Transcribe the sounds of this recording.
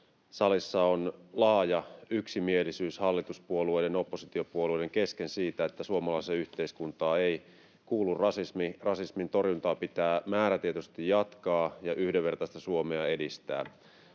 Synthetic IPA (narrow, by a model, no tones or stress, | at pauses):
sɑlisːɑonlɑːjɑyksimie̞lisyːshɑlːit̪uspuolue̞jdeno̞pːosit̪io̞puoluede̞ŋke̞ske̞nsiːt̪æet̪ːæsuomɑlɑiseyht̪eiskunt̪ɑːe̞j | kuːlːurrɑsismirɑsismint̪o̞rjunt̪ɑːpit̪æːmæːɾæt̪iet̪yst̪ijjɑt̪kɑːjɑʔyhdeʋːe̞rt̪ɑst̪ɑsuomeɑe̞dist̪æ̰ː